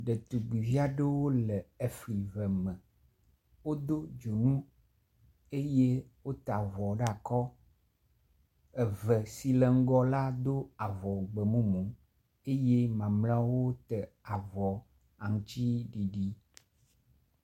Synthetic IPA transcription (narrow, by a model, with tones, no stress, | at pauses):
ɖe˨t̪u˨ɡ͡bi˨vi˦a˦ɖe˦wo˦lə˨e˦fli˨vɛ˨mə̃˨ | wo˦d̪o˦d͡ʒo˨nũ˦ | e˦je˦wo˦t̪a˨vɔ˨ɖa˨kɔ˦ | e˨və˨si˦lə˨ŋ̩˦ɡɔ˦la˦d̪o˦a˨vɔ˨ɡ͡bə˨mũ˦mũ˨ | e˦je˦mã˨ml̃ã˦wo˦t̪ə˨ | a˨vɔ˨ | a˨ŋũ˨t͡ɕ̪i˦ɖi˨ɖi˦